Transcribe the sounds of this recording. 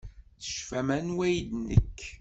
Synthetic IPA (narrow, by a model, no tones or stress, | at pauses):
θə̥ʃfæmænwæjd̪nə̰kː